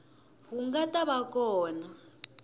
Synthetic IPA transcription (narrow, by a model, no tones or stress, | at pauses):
huŋɡatʼaβakʼɔːna